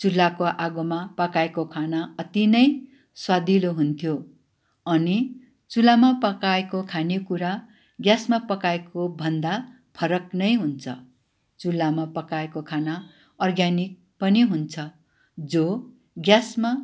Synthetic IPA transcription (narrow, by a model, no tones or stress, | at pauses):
t͡sulːakoʔaɡomapʌkaekokʰanaʌt̪inʌj | swad̪iloɦunt̪ʰjo | ʌni | t͡sulamapʌkaekokʰanekuɾa | ɡjasmapʌkaekobʱʌnd̪a | pʰʌɾʌknʌjɦunt͡sʰʌ | t͡sulːamapʌkaekokʰana | ʌrɡjanik̚ | pʌniɦunt͡sʰʌ | d͡zo | ɡjasma